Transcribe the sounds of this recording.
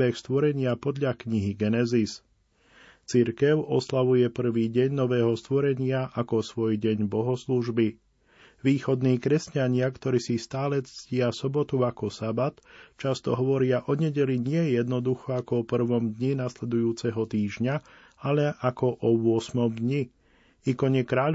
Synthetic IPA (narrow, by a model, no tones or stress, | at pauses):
ɛxst̪ʋɔɾɛɲɪapɔd̪ʎakɲiɦiɡɛnɛzis | t͡siɾkɛʊʔɔslaʋujɛpr̩ʋiːɟɛɲnɔʋɛːɦɔst̪ʋɔɾɛɲɪaʔakɔsʋɔjɟɛɲbɔɦɔsluʒbi | ʋiːxɔd̪niːkɾɛscaɲɪakt̪ɔɾiːsist̪aːlɛt͡st͡scɪasɔbɔt̪uakɔsabat̪t͡ʃast̪ɔɦɔʋɔɾɪaʔɔɲɛɟɛliɲɪɛjɛd̪nɔd̪uxɔakɔɔpr̩ʋɔmd̪ɲinaslɛd̪ujuːt͡sɛɦɔt̪iːʒɲa | alɛʔakɔʔɔʋʊɔsmɔmd̪ɲi | ikɔɲɛkɾaːʎ